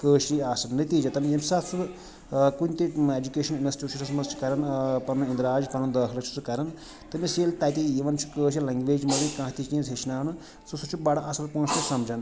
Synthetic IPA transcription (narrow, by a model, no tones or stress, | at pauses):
kəːʃiaːsɐnnːɨt̪id͡ʒɐt̪ɐmʲjemsatsʰu | kunʲt̪ied͡ʒukeːʃɐninɐsʈit͡ʃʰusʰɐsmɐzt͡ʃʰi̥kɐɾɐnpɐnuĩnd̪ɾaːd͡ʒpɐnund̪ɐːkʰlɐt͡ʃʰu̥t͡sʰukɐɾɐn | t̪ɐmʲiseːlt̪aːt̪ijiʋɐnt͡ʃʰu̥kəːʃ̬ʰilɐ̃ŋɡʋeːd͡ʒmɐlikãːt̪it͡ʃĩːzɦet͡ʃʰnaːnɨ | susut͡ʃʰubaɽaʔɐsɐlpɐ̃ːnst̪usɐmd͡ʒɐn